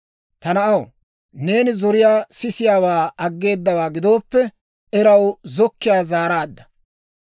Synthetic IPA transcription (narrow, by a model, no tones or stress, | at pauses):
t̪ɐnɐʔɐw | ne̞ːnɪzɔɾɪjaːsɪsɪjaːwaːɐɡːe̞ːd̪ːɐwaːɡɪd̪o̞ːpːɛ | ɛɾɐwzɔkːɪjaːzaːɾaːd̪ːɐ̥